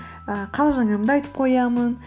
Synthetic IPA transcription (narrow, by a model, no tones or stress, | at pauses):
əqʰɑlˠʒɑŋɑəmd̪əɑjt̪ə̥p̚qʰo̞jɑmən